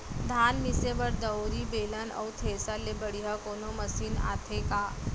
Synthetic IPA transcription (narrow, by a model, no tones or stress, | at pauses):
d̪ʱaːnmɪsebɐɾd̪ɐoɾibeːlənɔ̰wt̪ʰeːsalebəɽiɦakoːnomɐsiːna̰ːt̪ʰekaː